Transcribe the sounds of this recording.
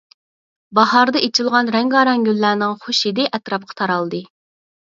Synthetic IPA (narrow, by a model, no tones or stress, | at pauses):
bɑɦɑɾd̪ɨʔet͡ʃʰɪlˠʁɑnɾɛŋɡɑːɾɑŋɡʲølːæːnɪŋχoʃid̪ɪʔɛt̪ɾɑp̚qʰɑ̥t̪ʰɑɾɑlˠd̪ɨ